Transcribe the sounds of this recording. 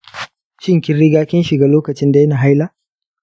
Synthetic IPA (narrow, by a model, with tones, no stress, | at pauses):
ʃɪ˦ŋkʲɪ˦nɽɪ˦ɡaː˦kʲɪ˦nʃɪ˨ɡaː˦˨loː˦kɐ˨t͡ʃɪ˦nda˨jɐ˦na˨ɦa˦jlaː˦